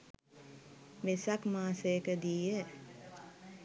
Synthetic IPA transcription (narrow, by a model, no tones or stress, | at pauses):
ʋesakmaːsəjəkəd̪iːjə